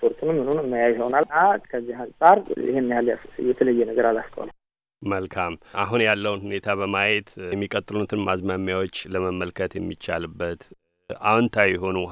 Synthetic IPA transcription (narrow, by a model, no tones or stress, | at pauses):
pʰoɾt̪ʰunɨmːɨnunɨmːəjajhonalakʰəzːihansʼaɾɪ̰henːihalajɛt̪ʰələjːɛnəɡəɾalaskʰʼə̰w̰n | məlkʰamaɦunjalːəwnhune̞t̪ʰaβəmajet̪ɛmːikʼət̪ʼːɨlut̪ʰɨnmazmamːjawo̞t͡ʃːləməmːəlkʰət̪jɛmːit͡ʃːa̰lɨbːət̪ | ʔawnt̪ʰajɛɦo̞nu